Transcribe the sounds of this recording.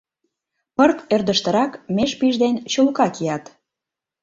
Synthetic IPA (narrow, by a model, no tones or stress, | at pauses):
pərt̪ørd̪əʃt̪ə̆ɾɑkmeʃpiʒd̪ent͡ɕulkɑkijɑt̪